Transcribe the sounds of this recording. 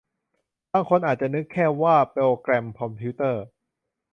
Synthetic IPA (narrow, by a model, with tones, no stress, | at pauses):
baː˧˩ŋkʰo˧nʔaː˨˩t̪̚t͡ɕa˨˩nɯ˦˥kʰːɛː˥˩waː˥˩pe˧wkɾɛ˧mkʰɔ˧mpʰiː˦˥t̪ɤː˥˩